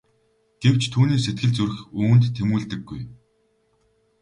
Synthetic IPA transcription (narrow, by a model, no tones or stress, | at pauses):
ɡ̥ew̥t͡ɕt̪ʰuːniːset̪̚ɡɘ̆ɮt͡sur̆xuːnt̪ːʰemuːɮt̪ɘ̆ɡːuj